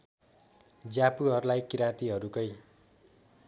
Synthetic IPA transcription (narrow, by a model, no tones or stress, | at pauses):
d͡zapuɦʌɾulajkiɾãt̪iɦʌɾukʌj